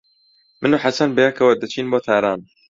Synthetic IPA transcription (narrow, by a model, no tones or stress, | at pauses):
mɨnuːħasɐnbɐjɐkɐwɐd̪ɐt͡ʃʰiːnboːt̪ʰaːɾaːn